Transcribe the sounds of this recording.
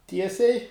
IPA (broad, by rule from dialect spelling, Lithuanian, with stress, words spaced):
ˈtʲiɛsʲɛɪ